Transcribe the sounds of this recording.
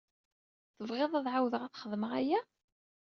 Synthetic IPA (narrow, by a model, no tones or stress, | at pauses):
θəvʁeðˤæðʕawðəʁæθχəðməʁæjæ